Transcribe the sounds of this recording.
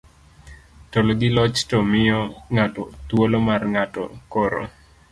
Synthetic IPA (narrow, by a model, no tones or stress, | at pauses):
toloɡɪlɔt͡ʃtɔmɪjɔŋatɔt̪wolomarŋatɔ̰koɾo̰